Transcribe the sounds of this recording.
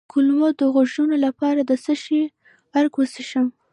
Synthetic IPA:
kʰʊlmod̪əɣoʒunolapɑɾad̪əsəʃi | aɾkwosiʃəm

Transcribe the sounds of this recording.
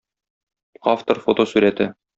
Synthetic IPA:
ɑft̪orfot̪osʉɾæt̪ɘ

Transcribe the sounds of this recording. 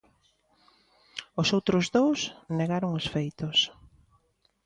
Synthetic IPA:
ʊsowt̪ɾʊzðowsneɣaɾʊŋesfejt̪ʊs

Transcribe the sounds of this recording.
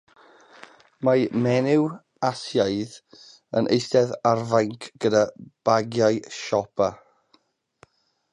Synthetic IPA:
mamɛnɪw | asjaɨð | ənʔḛjstɛðarvajŋkʰɡ̥ədab̥aɡjaɨʃɔpʰa

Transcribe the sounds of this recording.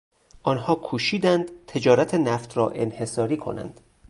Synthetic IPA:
ʔɒːnhɒːkʰuːʃiːd̪ænd̪̥t̪ʰe̞d͡ʒɒːɾæt̪ʰenæft̪rɒːʔe̞nhe̞sɒːɾiːkʰo̞̰næ̰nd̪̥

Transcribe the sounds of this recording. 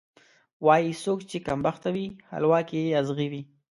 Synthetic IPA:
wɑjisokt͡ʃekambaxt̪awiha̰lwɑkieazɣiwi

